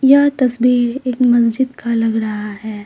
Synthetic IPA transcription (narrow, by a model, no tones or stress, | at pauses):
jɐt̪ɐsbiːɾeːkmɐs̬d͡ʒɪd̪kalɐɡɾɐɦaɦɛː